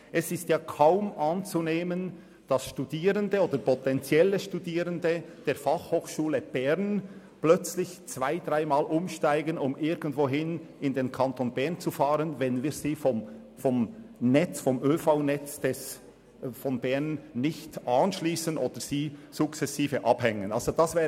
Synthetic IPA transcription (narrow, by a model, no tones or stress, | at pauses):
ʔɛsɪstjaːkʰaʊmʔɑnt͡suneːmən | d̥ɑsʃtudiːɾəndəoːdəɾpʰɔtɛnt͡sjɛləʃtudiːʁəndəd̥eːɐfɑχhoːxʃuːləb̥ɛʁn | plœt͡slɪçt͡sv̥aɪdʁaɪmaːlʔʊmʃtaɪɡənʊmɪɐɡən̩tvoːɦɪn | ɪndeːnkʰɑntoːnbɛʁnt͡sufɑːʁənvɛnviːziːfɔm | fɔmnɛt͡sfɔmʔøːfaʊnɛt͡sd̥ɛs | fɔnbɛʁnːɪçtʔɑnʃliːsənʔo̰ːd̥əɾz̥iːz̥ʊkt͡sɛsiːfəʔɑb̥hɛŋənʔɑ̰lz̥odɑsv̥ɛː